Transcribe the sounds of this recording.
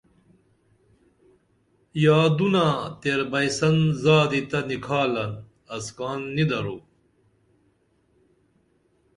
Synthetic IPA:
jaːd̪unat̪eɾbɐjsɐnzaːd̪it̪ɐnikʰaːlɐn | ɐskaːnːid̪ɐɾoː

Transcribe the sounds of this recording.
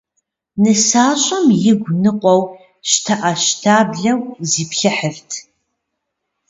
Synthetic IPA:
nɨsaːɕʼɐmjɪɡʷnɨqʷɔw | ʃtʰɐʔɐɕtʰaːbɮɐwziːpɬɐħərtʰ

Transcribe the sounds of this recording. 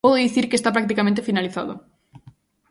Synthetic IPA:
pɔðoðiθiɾkest̪apɾak̚t̪̬ikamẽnt̪efinaliθa̰ðo̰

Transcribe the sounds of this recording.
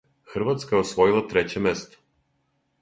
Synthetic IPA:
xr̩vat̪skaɛɔsvɔilˠat̪ɾɛt͡ɕɛmɛst̪ɔ̥

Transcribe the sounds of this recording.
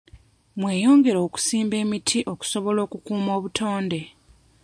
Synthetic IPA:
mwe̞ːjo̞ːŋɡe̞ɾoːku̥siːmbe̞ːmitʰiʔo̞ku̥so̞βo̞lo̞ːkukuːmo̞ːβutʰo̞ːnde̞

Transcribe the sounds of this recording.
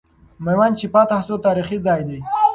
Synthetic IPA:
majwant͡ʃipat̪ahsot̪ɑːɾixizɑjd̪i

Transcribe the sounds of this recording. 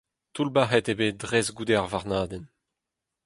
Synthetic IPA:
t̪ulbaɦɛt̪ebeːdʁɛzɡud̪ɛʁvaʁnaːd̪ɛn

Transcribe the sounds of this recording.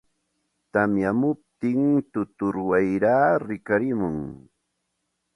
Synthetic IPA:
t̪amjamʊp̚t̪ɪŋt̪ʊt̪ʊɾwajɾaːɾɪkaɾɪmʊŋ

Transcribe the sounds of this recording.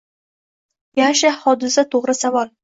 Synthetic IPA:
jaɴʃɪhɒd̪ɪsat̪ʰoʁɾɪsavɒl

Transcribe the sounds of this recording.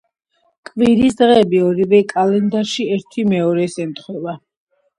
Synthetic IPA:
kʼviɾisd̪ʁɛːbiɔɾivɛkʼalɛnd̪aɾʃiɛɾt̪ʰimɛɔɾɛsɛnt̪ʰχwɛva

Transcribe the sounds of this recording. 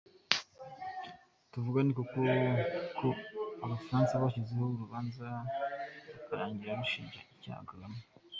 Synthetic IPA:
tuvuɡanikukokʰoaβafaɾaːnsaβaʃizehouɾuβaːnza | βakaɾaːɲɟiɾaɾuʃḭːɲʒa̰ica̰ːɡalamo

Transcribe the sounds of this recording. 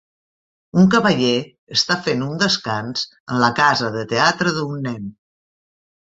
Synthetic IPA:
uŋkəβəʎe | əst̪afenund̪əskanz̥ | ənləkazəðət̪eat̪ɾəðunːɛn

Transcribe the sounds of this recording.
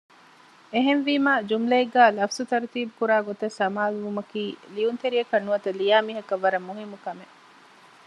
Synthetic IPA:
eɦenʋiːmaːd͡ʒumleeɡæːlɐfsut̪ɐɾt̪iːbukuɾaːɡot̪ɐsːɐmaːlʋumɐkiːliunt̪eɾiɐkɐnːuɐt̪ɐlijaːmiːɦɐkɐʋːɐɾɐmːuɦimːukɐme

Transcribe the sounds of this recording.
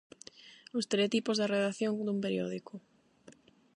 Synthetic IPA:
ost̪eɾet̪ipozðɐreðaθjoŋd̪umpeɾjo̰ðikʊ

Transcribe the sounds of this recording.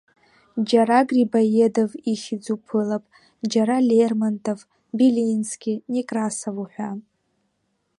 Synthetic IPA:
d͡ʒaɾaɡribajedoviχʲɪd͡zupʰɨlapʼ | d͡ʒaɾalermantʰʼov | bilinskʲinikʼrasavuħʷa

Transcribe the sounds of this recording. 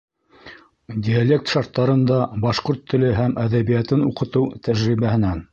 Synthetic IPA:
dʲialʲek̚t̪ʃɑɾt̪ːɑɾɤ̆nd̪ɑbɑʃqoɾt̪ʰːɵ̆lɘɦæmæðæβijæt̪ɘnuqɤ̆t̪ɤwt̪æʒɾiβæhɘ̆næn

